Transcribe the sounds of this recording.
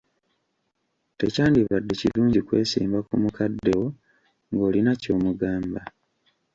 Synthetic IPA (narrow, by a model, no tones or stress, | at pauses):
te̞̰caːndiβadːecḭluːɲɟikwe̞̰ːsḭːmbakumukʰadːe̞wo̞ | ŋɡo̞ːlinaco̞ːmuɡaːmba